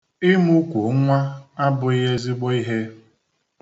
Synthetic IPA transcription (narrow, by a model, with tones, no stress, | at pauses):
i˦mu˦kʷu˨˦ŋʷa˦a˦bʊ˨i˦ɦe˦zi˦ɡ͡bo˦i˦ɦe˦